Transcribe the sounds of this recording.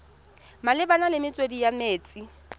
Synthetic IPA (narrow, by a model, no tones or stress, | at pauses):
malɪbanalɪmɪt͡sʼwedijameːt͡sʼi